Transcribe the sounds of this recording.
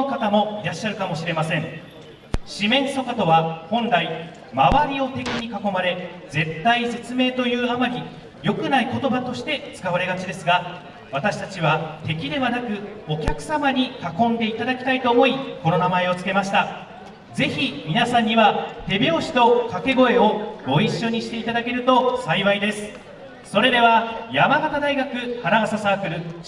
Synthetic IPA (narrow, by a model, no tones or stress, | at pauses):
kat̪amo̞iɾaɕːaɾɯ̟kamo̞ɕiɾe̞masẽ̞ɴ | ɕimẽ̞ɰ̃so̞kat̪o̞βahõ̞nɾai | maβaɾʲio̞t̪e̞kʲiɲ̟ikako̞maɾe̞ | d͡ze̞t̪ːaise̞t͡sɨme̞ːt̪o̞jɯ̟ːamaɾʲi | jo̞kɯ̟naiko̞t̪o̞bat̪o̞ɕi̥t̪e̞t͡sɨ̥kaβaɾe̞ɡat͡ɕid̪e̞sɨɡa | βat̪aɕi̥t̪at͡ɕiβat̪e̞kʲid̪e̞βanakɯ̟o̞kʲakɯ̟̥samaɲ̟ikakõ̞nd̪e̞it̪ad̪akʲi̥t̪ait̪o̞ːmo̞iko̞no̞namae̞o̞t͡sɨ̥ke̞maɕi̥t̪a | d͡ze̞çimʲinasãɲ̟ːiβat̪e̞bʲo̞ːɕi̥t̪o̞kake̞ɡo̞e̞o̞ɡo̞iɕːo̞ɲ̟iɕi̥t̪e̞it̪ad̪ake̞ɾɯ̟t̪o̞saiβaid̪e̞sɨ̥ | so̞ɾe̞d̪e̞β̞ajamaɡat̪ad̪aiɡakɯ̟haɾaasasaːkɯ̟ɾɯ̟